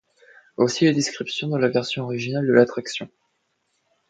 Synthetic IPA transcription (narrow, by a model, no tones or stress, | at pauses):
osiled̪eskχipsjɔ̃d̪ɑlavɛʁsjɔ̃ɔʁiʒinald̪əlat̪χaksjɔ̃